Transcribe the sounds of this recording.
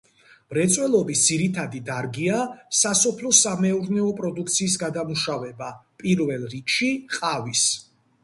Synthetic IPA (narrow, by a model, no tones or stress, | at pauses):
m̥ɾɛt̪sʼwɛlˠɔbisd̪z̥iɾit̪ʰad̪id̪aɾɡiasasɔpʰlɔsamɛuɾnɛɔpʼɾɔd̪ukʰt̪sʰiːs̬ɡad̪amuʃavɛbapʼiɾvɛlˠɾikʃiqʼavis